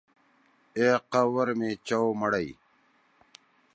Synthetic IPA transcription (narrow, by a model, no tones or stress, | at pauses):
eːqɐwɐɾmet͡ɕɐwmɐɽɐi